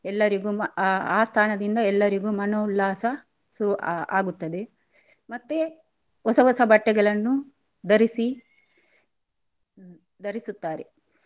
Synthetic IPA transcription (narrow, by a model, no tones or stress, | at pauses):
ɛlːɐɾiɡuːaːst̪ʰaːɳɐd̪ind̪ɐɛlːɐɾiɡuːmɐnoːlːaːsɐ | suɾua̰ːɡut̪ːɐd̪e̞ | mɐt̪ːe | ɔsɐʋɔsɐbɐʈːɛɡɐɭɐnːu | d̪ɐɾisi | d̪ɐɾisut̪ːaːɾḛ